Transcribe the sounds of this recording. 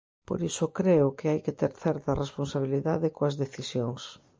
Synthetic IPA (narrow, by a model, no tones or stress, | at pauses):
po̰ɾisʊkɾeʊkɪajkɪt̪eɾθɛɾt̪ɐresponsaβ̞iliðaðɪkoɐzðeθisjoŋs